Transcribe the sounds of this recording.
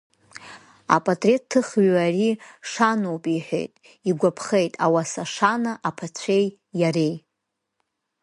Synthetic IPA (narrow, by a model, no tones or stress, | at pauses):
a̰pʼatʼre̞tʰːɨχɥariʂanowpʼiħʷᶣḛjtʼ | iɡʷapʰχejtʼawasaʂanaʔapʰat͡ɕʷʰe̞j | jaɾej